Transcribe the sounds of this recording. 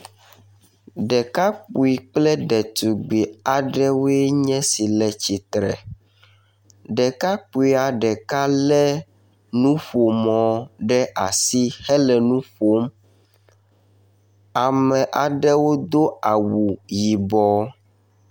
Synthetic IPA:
ɖɛ˨ka˦k͡pu˨i˨k͡plɛ˦ɖɛ˨t̪u˨ɡ͡bi˨a˨ɖɛ˦wo˦ɛ˦ɲɛ̃˦si˨lɛ˨t͡ɕi˨t̪ɾɛ̰˨ | ɖɛ˨ka˦k͡pu˨i˦a˨ɖɛ˨ka˦lɛ˦ | nũ˦ɸo˨mɔ̃˨ɖɛ˦ʔa˨si˦xɛ˦lɛ˨nũ˦ɸo˦m | a˨mɛ̃˨ʔa˨ɖɛ˦wo˦d̪o˦a˨wu˨ji˨bɔ˦

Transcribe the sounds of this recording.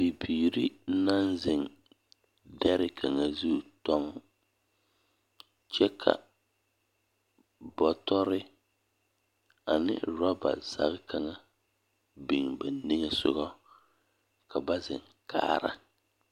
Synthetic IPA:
bi˨biː˨ɾi˦na˦nzɪ˨ŋ | dɛ˦ɾɪ˦kʰa˨ŋa˨zu˦˨tɔ˦ŋ˦ | t͡ʃɛ˦kʰa̰˨ | bɔ˨tɔ˦ɾɪ˦ | a˨nɪ̰˦ɾɔ˦ba̰˨z̥a̰˦ɣɪ˦ka˨ŋa˨ | bɪ˨ŋbɛ˨˦nɪ˦ŋɛ˦sʊ̰˦ɣɔ˦ | ka˨ba˦zɪ˨ŋ | ka̰ː˦ɾa̰˦

